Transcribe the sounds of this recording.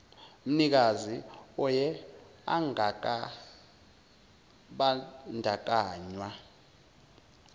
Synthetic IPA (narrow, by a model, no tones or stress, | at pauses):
m̩nik̬aziɔjɛ | a̰ŋk | ɓandʱak̬ʼaːɲwa